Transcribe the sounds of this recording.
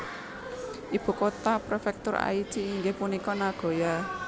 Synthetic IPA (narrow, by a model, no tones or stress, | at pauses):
ʔib̥ṳkot̪apɾofɛk̚t̪ʊɾa̰it͡ʃiːŋɡehpunikɔnaɡ̥ɔ̤ja